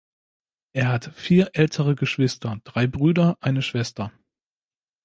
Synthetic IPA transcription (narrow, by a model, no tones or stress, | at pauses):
ʔeːɐɦatfiːɐʔɛltʰəʁəɡəʃv̥ɪstɐd̥ʁaɪbʁyːdɐʔaɪnəʃv̥ɛstɐ